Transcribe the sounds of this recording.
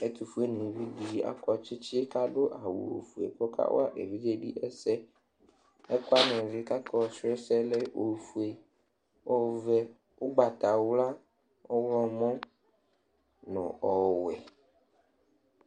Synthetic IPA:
e˦t̪u˨fu˦e˦nĩ˨vi˦di˦˨a̰˦kɔ˨t͡ʃi˦t͡ʃi˦e˦ka˦ɖo˦ʔa˨wṵ˨o̰˨fu˨ḛ˨kɔ˦ka̰˦wo̰˦a̰˦ʔe˨vi˦d͡ʒe˦ɖi˦ʔe˦sɛ˦ | ɛ˦kɔ˦a˦nɛ̃˨vi˦ka˦kɔ˦˨se˦sɛ˦le˦o˨fu˨e˨ | o˦vɛ˦ | wo˦ɡ͡ba˨t̪a˨wla˦ | o˦wlɔ˦mɔ̃˦ | nɔ̰̃˨ɔ˨wɛ˨

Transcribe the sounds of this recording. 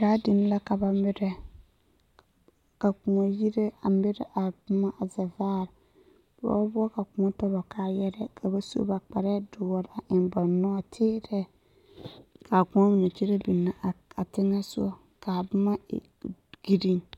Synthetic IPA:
ka˨˦dɪ˨n˦la˦ka˨ba˨mɪ˦ɾɛ˦ | ka˨ku˨ŋo˨ji˦ɾe˦a˨mbɪ˦ɾɛ̰˦ʔa˨bʊ˦ma˦ʔa˨za˨vaː˦˨ɾ | b̥ʊ˦ɔ̰˦ba˦bʊ˦ɔ˦ka˨ku˨ŋɔ˦tɔ˦ba˨kʰa˨jɛ˦ɾɛ˦kʰa˨ba˦so̰˦ba˨k͡pa˨ɾɛ˦dʊ˨wɔ˨ɾa˨ʔɪ˨nba˨nɔ˦a˨tʰɪː˦ɾɛ˦ | kʰa˨ku˨ŋo˦mi˨o˨t͡ʃe˦ɾe˦bi˨nːa˨a˨tɪ˦ŋa˦sʊ̰˦ɔ˨ | ka˨bʊ˦ma̰˦˨ | ɡ̥i˦ɾi˦ŋ

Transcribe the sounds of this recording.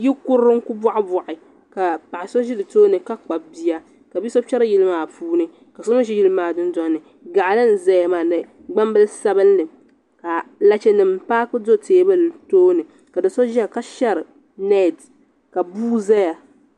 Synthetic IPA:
ji˦kʊ˦ɾɾɨ˦ŋ˦ku˦bɔ˦ʔɪ˦bɔ˨ʔɪ˨ | ka˨pa˨ʔɪ˨so˦ʒi˦dɨ˨toː˦nɨ˨ka˦k͡pa˨bi˦ja˦ | ka˨bi˦so˦t͡ʃɛ˦ɾɨ˦ji˦lɨ˦maː˦˨puː˦nɨ˦ | ka˨so˦ma˦ʒi˦ji˦lɨ˦maː˨dɨ˦n˦da˦nɨ˨ | ɡa˨ʔlɨ˦n̩˨za˦ja˨maː˨nɨ˨ | ɡ͡ba˦m˦bɨ˦lsa˦bɨ˦nː˦ɨ˨ | ka˨la˦t͡ʃɛ˦nɨ˨m˨paː˦kɨ˦do˦teː˨˦bɨ˦ltoː˦nɨ˨ | ka˨dɨ˨so˦ʒi˦a˦˨ka˦ʃɛ˦ɾɨ˨ | nɛ˦˨d | ka˨buː˦za˦ja˨

